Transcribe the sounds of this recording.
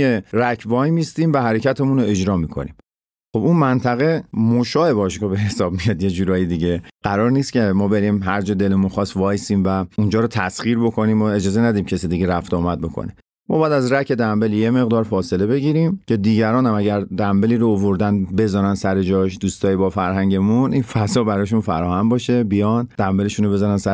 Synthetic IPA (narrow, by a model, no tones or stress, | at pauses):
eɾækʰvɒːjmiːst̪iːmvæɦæɾe̞cʰæt̪ʰe̞munoe̞d͡ʒɾɒːmiːkʰo̰nḭːm | xo̞bunmænt̪ʰæɣe̞moʃɒːe̞bɒːʃkɔbe̞he̞sɒːbmijɒd̪je̞d͡ʒuːɾɒːjed̪iɟe̞ɢ̥æɾɒːɾnist̪cʲʰe̞mɒːbe̞ɾimɦæɾd͡ʒɒːd̪e̞lemunxɒːst̪vɒːjsiːmvæund͡ʒɒːɾot̪ʰæsχiːɾbo̞kʰo̞niːmːɒe̞d͡ʒɒːzenæd̪ɒd̪imcʰesid̪iɡeɾæft̪ɒːmæd̪̚bo̞kʰo̰ne | mɒ̰ːbæːd̪æzɾæcʰe̞d̪æmbe̞ljeme̞ɣd̪ɒːɾfɒːse̞le̞be̞ɟiːɾimcʰe̞d̪iːɟæɾɒːnæmæɟæɾd̪æmbe̞liːɾoovoɾd̪ænbe̞zɒːnænsæɾed͡ʒɒʃd̪uːst̪ɒːjibɒːfæɾɦæɲɟe̞munʔinfæzɒːbæɾɒːʃunfæɾɒːhæmbɒːʃe̞bijɒnd̪̥æmbe̞le̞ʃunobe̞zɒnænsæ